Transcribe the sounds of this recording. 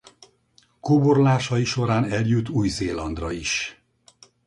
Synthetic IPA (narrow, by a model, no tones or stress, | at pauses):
koːborlaːʃɒiʃo̞ɾaːnɛljut̪ːuːjzeːlɒnd̪rɒiʃ